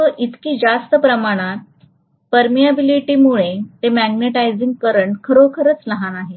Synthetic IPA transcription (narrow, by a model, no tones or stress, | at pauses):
əʔit̪kiːd͡zast̪əpɾəmaɽ̃at̪ | pəɾmijabiliʈiːmuɭet̪emæɡneʈajd͡ziŋɡ̚kəɾəɳʈkʰəɾokʰəɾət͡sləɦanaɦe